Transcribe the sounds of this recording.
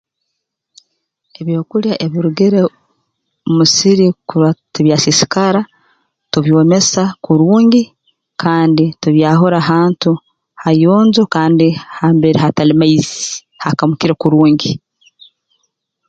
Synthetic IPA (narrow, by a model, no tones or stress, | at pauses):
e̞βjo̞ːkuljaʔeβiɾuɡeɾe | musiɾikuwatuβjaːsisi̥kaɾa | tuβjo̞ːme̞sakuɾuːɲɡi | kʰaːndituβjaːɦo̞ɾaɦaːntu | hajoːnzokaːndihaːmbeɾihatalimaizi̥ | hakamukiɾekuɾuːɲɟi